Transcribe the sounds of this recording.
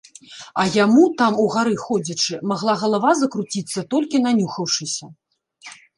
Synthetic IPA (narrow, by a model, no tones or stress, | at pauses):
ɐjamut̪amuɣaɾɨxɔd͡zʲɐt͡ʂɨmaɣlˠaɣɐlˠavazɐkɾut͡sʲit̪sːɐt̪ɔlʲkʲinanʲuxɐwʂɨsʲɐ